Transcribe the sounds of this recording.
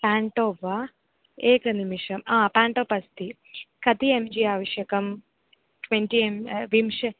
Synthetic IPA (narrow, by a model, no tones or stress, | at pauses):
paːɳʈoːʋa | eːkɾɐnimiʂɐmaːpaːɳʈoːpɐst̪i | kɐt̪iemd͡ʒiaːʋɐʂjɐkɐm | ʈwenʈiemʋimʂɐ